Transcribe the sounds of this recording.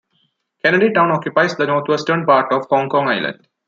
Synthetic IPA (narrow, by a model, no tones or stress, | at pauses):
kɛnəɖiʈãʊ̃nɔkjʊpaɪsd̪ənɔːɾt̪ʰʋesʈəɾnpaːɾʈɔʋhɔ̃ːŋkɔ̃ːŋaɪlə̰̃ɳɖ